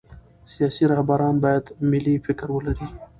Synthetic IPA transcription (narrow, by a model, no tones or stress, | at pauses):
sijɑːsiɾɑhbaɾɑːnbɑːjad̪mɪlːifɪkɾwəlaɾiː